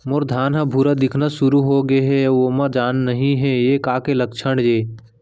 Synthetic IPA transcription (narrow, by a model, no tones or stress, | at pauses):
moɾd̪ʱaːnɦãbʱuɾad̪ɪkʰnaʃʊɾuɦoɡeɦɛʋoːmãd͡ʒaːnːəɦĩɦɛ̃jekaːkelək̚t͡ʃʰəɳd͡ʒeː